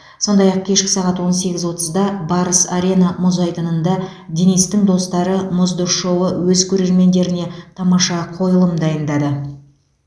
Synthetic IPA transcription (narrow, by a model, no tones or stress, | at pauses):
so̞nd̪ɑjɑq̚kʲʰe̞ʃkʲɪ̥sɑʁɑt̪wo̞nse̞ɡʲɪzwo̞t̪əzd̪ɑbɑɾəsaɾʲe̞nɑmʊzɑjt̪ənənd̪ɑd̪ʲenijst̪ɪŋd̪o̞st̪ɑɾəmʊzd̪ʊɾʃo̞wəwɵzkʲʰɵɾe̞ɾme̞nd̪e̞ɾɪne̞t̪ʰɑmɑʃɑqʰo̞jəlˠəmd̪ɑjənd̪ɑd̪ə